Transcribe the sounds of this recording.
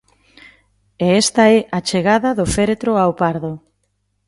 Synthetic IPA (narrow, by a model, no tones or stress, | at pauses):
eest̪ɐɛʔat͡ʃeɣaðɐðofeɾet̪ɾoawpaɾðo